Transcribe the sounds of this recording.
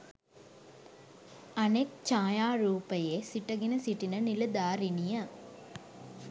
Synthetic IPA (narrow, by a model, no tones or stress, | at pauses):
ɐnek̚t͡ʃaːjaːɾuːpɐjeːsiʈːɐɡinɐsiʈːinɐnɪlɐd̪aːɾinijɐ